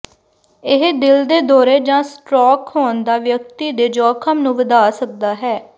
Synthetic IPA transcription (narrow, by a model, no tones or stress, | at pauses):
ɪɦd̪ɪld̪eːd̪ɔːɾeːd͡ʒãːsʈɾɔːkɦoːnd̪aːʋjək̚t̪iːd̪eːd͡ʒɔːkʰəmnũːʋəd̪aːsək̚d̪aːɦɛː